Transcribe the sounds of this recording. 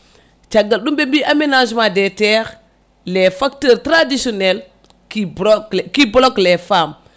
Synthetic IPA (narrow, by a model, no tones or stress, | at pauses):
t͡ʃaɡalɗumbembiʔamenaʒmadeteɾ | lefaktəɾtɾadisonel | kibokibloklefam